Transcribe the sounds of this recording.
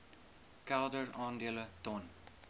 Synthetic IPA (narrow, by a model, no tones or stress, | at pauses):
kɛldərɑːndiələtɔn